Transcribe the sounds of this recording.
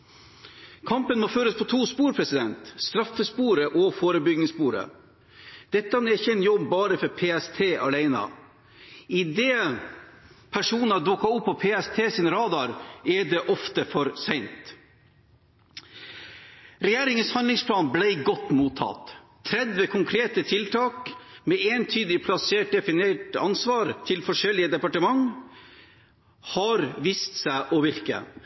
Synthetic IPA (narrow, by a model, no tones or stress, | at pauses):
kʰɑmpənmɔføːɾəspʰɔt̪ʰuːspuːɾpʰɾɛsɪd̪ɛnt̪st̪ɾɑfːəspuːɾəʔɔfoːɾəbʏɡnɪŋspuːɾə̰ | d̪̥ɛt̪ːəhɑnɛɪçɛɪnjɔbbɑːɾəfɔɾpʰeːɛst̪ʰeːʔɑlæɪnɑ̰ | ɪd̪eː | pʰæʂuːnɑd̪ʊkɑʊpʰːɔpʰeːɛst̪ʰeːsɪːnɾɑːd̪ɑɾɛɖɛʔɔft̪əfɔɾsɛɪnt̪ | ɾɛjæːɾɪŋənshɑnlɪŋspʰlɑːnblæɪɡɔt̪ːmuːt̪ʰːɑ̰t̪ʰː | ɾɛd̪ʋəkʰʊŋkʰɾeːt̪ət̪ʰɪlt̪ʰɑːk | mɛeːnt̪ʰyːd̪ɪpʰlɑseːʈ̚d̪ɛfɪneʈɑ̰nsʋɑːɾt̪ʰɪlfɔʂɛlːɪəd̪ɛpɑʈəmɑŋ | hɑɾʋiːst̪sæɪʔɔʋɪɾkə̰